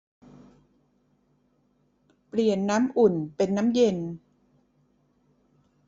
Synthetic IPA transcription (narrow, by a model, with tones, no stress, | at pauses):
pli˨˩ənːaː˦˥mʔu˨˩npe˧nːaː˦˥mje˧n